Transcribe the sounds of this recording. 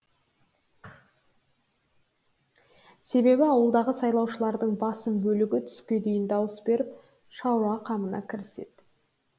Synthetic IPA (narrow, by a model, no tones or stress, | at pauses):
se̞be̞bɪɑwəlˠd̪ɑʁəsɑjlˠɑwʃəlˠɑɾd̪əɴbɑsəmbɵlɪɡʲɪt̪ʰʏ̥skʲe̞d̪ejɪnd̪ɑwəsbe̞ɾɪp̚ | ʃɑwɾɑqʰɑmənɑ̰kʲʰɪɾɪse̞̰d̪̥